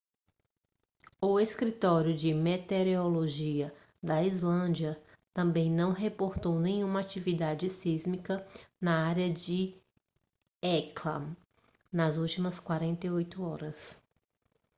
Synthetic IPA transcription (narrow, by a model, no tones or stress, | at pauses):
ʊeskɾit̪ɔɾjʊd͡ʒɪmet̪eɾeoloʒiɐ | d̪ɐizlɐ̃d͡ʒiɐ | t̪ɐ̃mbẽj̃nɐ̃w̃ɦepoɾt̪ownẽj̃ũmɐat͡ʃivid̪ad͡ʒɪsizmikɐnɐaɾjɐd͡ʒɪ | ɛklɐ̰ | nɐzuwt͡ʃimɐskwaɾẽnt̪ejojt̪ʊɔɾɐs